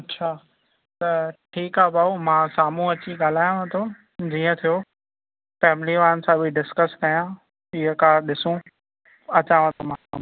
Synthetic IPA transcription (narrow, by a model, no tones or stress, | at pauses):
ɐtːɕʰaː | t̪ɐʈʰiːkaːbaːomãːsaːm̤ũɐt͡ɕiɠaːl̤aːjõʋãt̪ʰo | d͡ʑiːə̃t̪ʰijo | fɛːmɪliʋaːɾənɪ̆sãbʱiɖɪskəskɐijã | ɪɦəkaːɾɗɪsũ | ɐt͡ɕaːʋãt̪ʰomãːa̰ːm̃